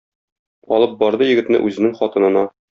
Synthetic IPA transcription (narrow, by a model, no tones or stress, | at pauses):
ɒlˠɤp̚bɒɾd̪ɤjɘ̆ɡɘ̆t̪nɘ̰ʔʉzɘ̆nɘŋχɒt̪ɤ̆nɤ̆nɑ